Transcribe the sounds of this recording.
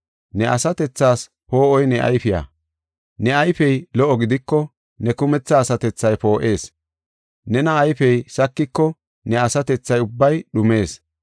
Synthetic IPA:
nɛʔɐ̰sɐt̪ɛt͡sːaːs | po̞ːʔɔjnɛʔɐ̰jfɪja̰ | nɛɐjfɛjlɔʔɔɡɪd̪ɪkːɔ | nɛkʊmɛt͡sːɐːsɐt̪ɛt͡sːɐjpo̞ːʔe̞ːs | nɛnɐːjfɛjsɐkːɪkːɔ | nɛɐsɐt̪ɛt͡sːɐjʊbːɐjɗʊme̞ːs

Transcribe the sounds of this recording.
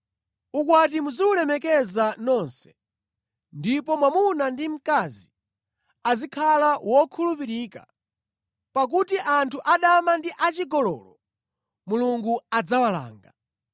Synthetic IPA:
ukwatimuziulɛmɛkɛzanɔnsɛ̥ | ndipɔmwamunandim̩kazi | azikʰalawɔkʰulupiɾiːka̰ | pak̬utiʔantʰuʔaɗamandiʔat͡ʃiɡɔlɔ̰ːlɔ | muluŋɡuad͡zawala̰ːŋɡa

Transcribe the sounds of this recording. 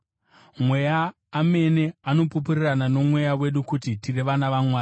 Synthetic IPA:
mwe̞jaː | me̞ne̞ano̞pupuriranano̞mwe̞jawe̞ɗukutitireʋanaʋamwaːi

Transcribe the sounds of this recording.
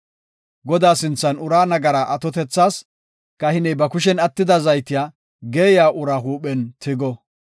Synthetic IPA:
ɡɔd̪aːsɪnt͡sːɐnʊɾaːnɐɡɐɾaːʔɐt̪ɔt̪ɛt͡sːaːs | kɐhɪnɛjbɐkʊʃ̬ɛnɐt̪ːɪd̪ɐzɐjt̪ɪjaː | ɡeːjaːʔʊɾaːɦuːɓɛnt̪ʰɪɡɔ

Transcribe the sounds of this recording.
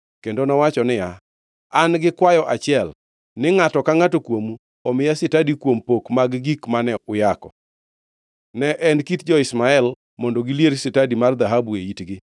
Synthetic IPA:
kendonɔwat͡ʃɔnɪja | anɡɪkwajɔʔat͡ʃɪɛl | nɪŋatɔkaŋatokwomu | ɔmɪjasɪtadikwompokmaɡɡikmanɛʊjakɔ̰ | nɛʔɛnkitd͡ʒɔɪsmaɛl | mɔndɔɡiljeɾsɪtadimard̪aɦabueitɡɪ

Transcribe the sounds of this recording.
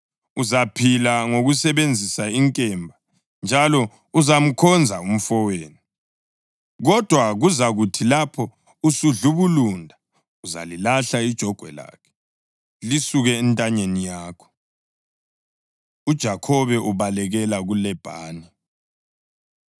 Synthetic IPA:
uzapʰilaŋoɣusɛβend͡zʱisaiŋkʼɛmbʱa | nd͡ʒʱalɔ | uzam̩kʰɔnd͡zʱaum̩fɔweːnu | ɣɔd̥ʱwaɣuzaɣutʰilapʰɔ | usuɮuβulundʱa | uza̰lilaɬaid̥ʒ̥ʱɔɡ̥ʱwɛ̰la̰ːkʰɛ̥ | lisuɣɛːntʼaɲenijaːkʰɔ̥ | ud̥ʒ̥ʱakʰɔβɛʔuβalɛɣɛlaɣulɛb̥ʱa̰ːni

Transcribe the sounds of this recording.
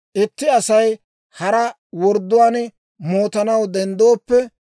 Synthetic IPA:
ʔɪt̪ːɪɐsɐj | hɐɾɐ | wɔɾd̪ːʊwaːn | mo̞ːt̪ɐnɐwd̪ɛnd̪oːpːɛ

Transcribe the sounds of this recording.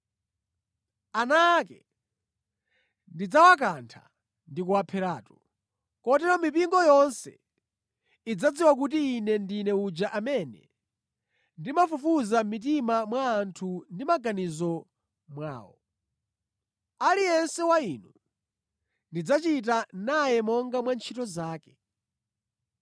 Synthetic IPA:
anakɛ | ndid͡zawak̬antʰa̰ | ndikuapʰɛɾaːtɔ | kɔtɛɾɔmipiŋɡɔjɔnsɛ̰ | id͡zad͡ziwak̬utiːnɛndinɛud͡ʒaʔamɛnɛ̰ | ndimafufuzamit̬imamwaːntʰundimaɡanizɔ | mwa̰ːwɔ̰ | alijɛnsɛwainu | ndid͡zat͡ʃit̬anajɛmɔŋɡamwant͡ʃʰitɔzaːkɛ

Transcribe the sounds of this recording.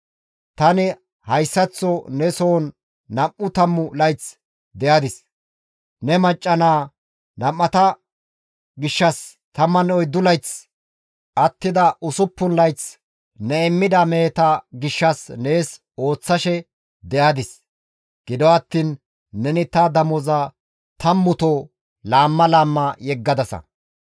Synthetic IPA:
t̪ɐnɪ | hɐjsːɐt͡sːɔnɛsoːnː | ɐmːʊt̪ɐmːʊlɐjt͡s | d̪ɛjaːd̪ɪs | nɛmɐt͡ʃʼːɐnaː | nɐmːɐt̪ɐ | ɡɪʃːɐs | t̪ɐmːɐnɔjd̪ʊlɐjt͡s | ʔɐt̪ːɪd̪ɐʔʊsʊpːʊnlɐjt͡s | nɛɛmːɪd̪ɐme̞ːt̪ɐɡɪʃːɐsneːs | o̞ːt͡sːɐʃɛ | d̪ɛjad̪ɪs | ɡ̥ɪd̪ɔɐt̪ːiːnː | ɛnɪt̪ɐd̪ɐmɔzɐ | t̪ɐmːʊt̪o | laːmːɐlaːmːɐjɛɡːɐd̪ɐsɐ̰

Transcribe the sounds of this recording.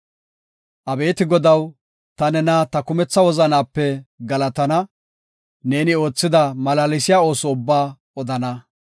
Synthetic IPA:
ʔɐbe̞ːt̪ɪɡɔd̪ɐw | t̪ɐnɛnat̪ɐkʊmɛt͡sːɐwɔzɐnaːpːɛɡɐlɐt̪ɐnɐ | ne̞ːnɪo̞ːt͡sːɪd̪ɐmɐlaːlɪsɪjaːo̞ːsɔʊbːaː | ɔd̪ɐnɐ

